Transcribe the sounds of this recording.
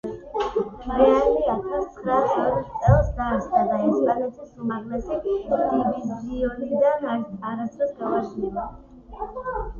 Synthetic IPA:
ɾɛaliatʰat̪sʰχɾasɔd̪t̪sʼɛlˠsd̪aɾsχad̪aɛspʼanɛt̪ʰisumaɾlɛsid̪ibisziɔnid̪anaɾast̪ʰɾɛsɡavaʃnila

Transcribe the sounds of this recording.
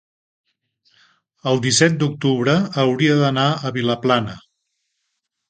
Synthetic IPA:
əlˠd̪isɛt̪̚d̪uk̚t̪uβɾəːwɾiəðənaəβiləplanə

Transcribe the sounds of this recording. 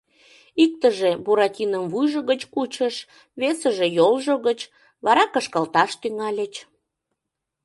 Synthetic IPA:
ik̚t̪əʒebuɾɑtʲinəmvujʒəɣət͡ɕkut͡ɕəʃ | βesəʒejolʒoɣət͡ɕ | βɑɾɑkəʃkəlt̪ɑʃt̪yŋɑlʲət͡ɕ

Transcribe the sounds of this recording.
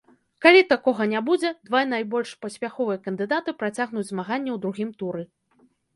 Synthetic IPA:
kalʲit̪akɔɣɐnʲabud͡zʲɛd̪vanajbɔlʲʂpɐsʲpʲaxɔvɨjɐkɐnd̪ɨd̪at̪ɨpɾat͡sʲaɣnud͡zʲzmaɣanʲːɛwd̪ɾuɣʲimt̪uɾɨ

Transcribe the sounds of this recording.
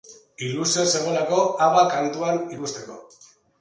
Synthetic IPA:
ilusiose̞ɣ̞o̞lako̞aβakant̪uanikust̪e̞ko̞̰

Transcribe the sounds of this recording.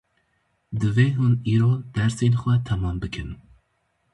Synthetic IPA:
d̪ɨveːɦuniːɾoːd̪̥ɛɾseːnxʷɛt̪ʰɛmɑːmbɨkʰɨn

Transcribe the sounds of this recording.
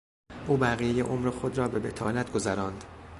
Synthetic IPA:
ʔuːbæɣijejeʔomɾexod̪ɾɒːbe̞be̞t̪ʰɒ̰ːlæt̪ɡo̞zæɾɒːnd̪̥

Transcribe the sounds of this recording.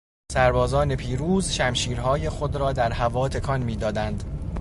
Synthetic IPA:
sæɾbɒːzɒːne̞pʰiːɾuːzʃæmʃiːɾɦɒːje̞xod̪ɾɒːd̪æɾɦævɒːt̪ʰe̞kʰɒnmiːd̪ɒːd̪ænd̪

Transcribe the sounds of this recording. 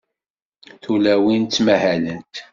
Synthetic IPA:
θulæwint̪ːmæhælənt̪

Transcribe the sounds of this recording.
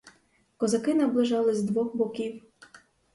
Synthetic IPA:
kɔzɐkɪnɐblˠɪʒɑlˠɪzʲd̪ʋɔxbɔkʲiw

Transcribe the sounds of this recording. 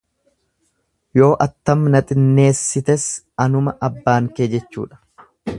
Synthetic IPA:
jo̞ːʔɐt̪ːɐmnɐt̪ʼɪnːe̞ːsːɪt̪ɛs | ɐnʊmɐʔɐbːaːŋkeːd͡ʒɛt͡ʃːṵːᶑɐ̥

